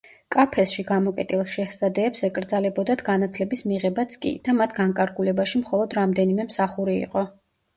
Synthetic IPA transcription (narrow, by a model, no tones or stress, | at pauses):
kʼapʰɛsʃiɡamɔkʼɛt̪ʼilˠʃɛhz̥ad̪ɛːpsɛkʼɾd̪zalɛbɔd̪ad̪ʰɡanat̪ʰlɛbismiʁɛbat̪sʰkʼḭd̪̥amat̪ʰɡaŋkʼaɾɡulɛbaʃimχɔlˠɔd̪ɾamd̪ɛnimɛmsaχuɾiḭqʼɔ